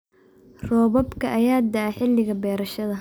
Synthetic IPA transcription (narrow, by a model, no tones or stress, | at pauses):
rɔːβɔbkʰɐʔɐjaːd̪ɐɐħɪlːɪɣɐbɛːɾɐʃɐðɐ